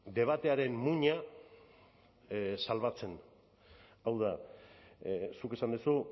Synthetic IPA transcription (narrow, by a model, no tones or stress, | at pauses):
d̪e̞β̞at̪e̞aɾe̞mmuɲa | salβ̞at͡se̞n | awða | suke̞sand̪usu